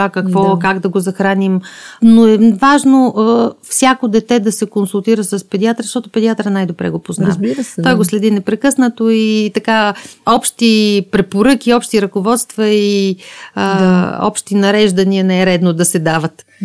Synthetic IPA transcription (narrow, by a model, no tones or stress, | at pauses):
akɐkvɔkaɡd̪ɐɡozɐxɾanimnoɛvaʒnoʔfsʲjakod̪ɛt̪ɛd̪ɐsɛkonsulˠt̪iɾəsəspɛd̪iat̪ɾəʃt̪ɔt̪ʊpɛd̪iat̪ɾənajd̪obɾɛ̰ɡopoznɾa̰ɾt̪ɔjɡoslɛd̪inɛpɾɛkɤsnət̪oit̪ɐkaɔpʃt̪ipɾɛpoɾɤkʲiɔpʃt̪iɾɐkovɔt̪st̪vɐi | ɔ̰pʃt̪inɐɾɛʒd̪ɐniənɛɛɾɛd̪nod̪ɐsɛd̪avət̪